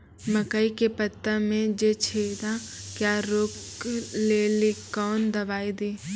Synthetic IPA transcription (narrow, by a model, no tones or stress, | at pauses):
məkəikepət̪ːəmẽd͡ʒet͡ʃʰeːd̪akjaːɾokleːlikɔːnd̪ɐʋaːid̪iː